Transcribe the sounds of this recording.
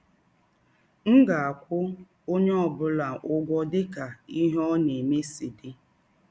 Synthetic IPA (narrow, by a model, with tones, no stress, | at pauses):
ŋ̩˦ɡa˨a˨kʷʊ˦ | o˦ɲe˦ɔ˨bʊ˦la˨ʔʊ˦ɡʷɔ˦dɪ˦ka˨i˦ɦɔ˦ne˨me˦si˨dɪ˦